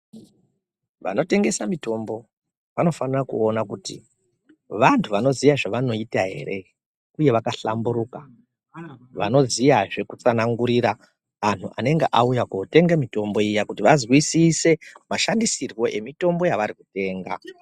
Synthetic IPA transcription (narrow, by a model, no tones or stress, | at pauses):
ʋa̰no̞te̞ŋɡe̞samito̞mbo̞ | ʋano̞fanirakṵonakutḭ | ʋantʰuʋano̞zijaʐaʋano̞itaɦe̞̰ɾe̞ | uje̞ʋakaɬamburuːka | ʋa̰no̞zijaʐe̞kut͡sanaŋɡuɾiɾaː | n̤uʔa̰ne̞ŋɡeʔaujakute̞ŋɡamito̞mbo̞ijakutiʋazwisise̞maʃandisirɣo̞ʔe̞mito̞mbo̞jaʋaɾikute̞ːŋɡa̰